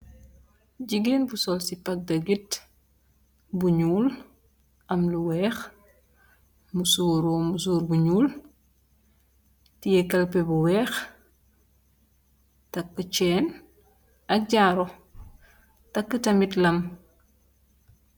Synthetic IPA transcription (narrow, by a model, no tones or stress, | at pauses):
ɟiɡinbusɔlsipɐk̚dɐɡit | buɲuːl | ʔɐmluwɛːx | musuːɾɔmusuːɾbuɲuːl | tiɛkɐlpɛbuwɛːx | tɐkːət͡ʃɛːn | ɐk̚ɟaːɾɔ | tɐkːətɐmitlɐm